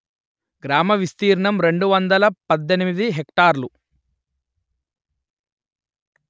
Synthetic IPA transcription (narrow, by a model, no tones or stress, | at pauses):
ɡɾaːmɐʋist̪iːɾɐɳɐmɾe̞ɳɖuʋɐnd̪ɐlɐpɐd̪ːenimid̪iɦekʈaːɾlu